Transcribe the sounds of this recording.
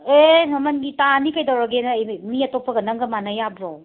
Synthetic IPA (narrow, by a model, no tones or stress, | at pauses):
enɐmɐnɡitanikɐjdawɾaɡenɐːjmiɐtopʰɐɡɐnɐŋɡɐmanɐjabɾaw